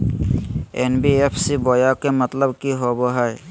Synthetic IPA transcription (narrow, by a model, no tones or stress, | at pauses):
ḛnbiepʰsibɔjakemət̪ləbkiɦoboɦɔj